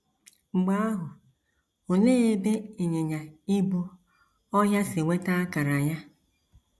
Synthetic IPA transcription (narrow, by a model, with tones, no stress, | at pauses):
ŋ͡m̩˨ɡ͡ba˦a˦ɦʊ˨ | o˨neː˦e˦be˦e˨ɲe˨ɲa˨ɪ˦bʊ˦ | ɔ˦ɦja˦sɪ˨ŋʷe˦ta˦a˦ka˨ɾa˨ɲa˦